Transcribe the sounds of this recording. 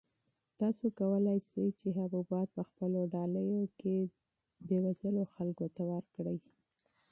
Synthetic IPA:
t̪ɑsokawəlajsajt͡ʃeɦabubɑt̪̚pəxpəloɖɑləjoke | d̪əwazəloxalkot̪awəɾkɽəj

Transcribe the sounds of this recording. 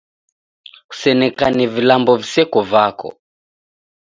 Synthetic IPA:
ku̥sɛnɛkanɛvilambɔvisɛkɔvakɔ̰

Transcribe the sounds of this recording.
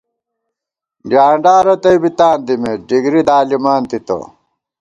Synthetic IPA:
ɖjaːɳɖaːɾɐt̪ɐjbit̪aːnd̪imeɖiɡɾid̪aːlimaːnt̪it̪o̰

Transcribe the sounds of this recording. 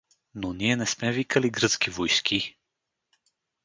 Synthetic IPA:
noniɛnɛsmɛvikəliɡɾɤt̪skʲivojskʰʲi

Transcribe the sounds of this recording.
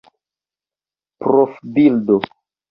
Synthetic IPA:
pɾofbildo

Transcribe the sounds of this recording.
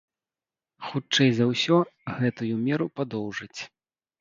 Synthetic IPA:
xut͡ʂɛjzɐwsʲɔɣɛt̪ujumʲɛɾupad̪ɔwʐɨt͡sʲ

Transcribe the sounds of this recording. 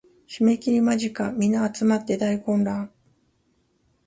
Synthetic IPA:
çime̞kʲiɾʲimaʑikamʲinaːt͡sɨmat̪ːe̞d̪aikõ̞nɾã

